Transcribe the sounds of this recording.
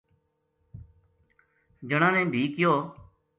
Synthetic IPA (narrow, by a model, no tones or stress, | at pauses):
d͡ʒəɳãːnẽːbʱiːkɪjoː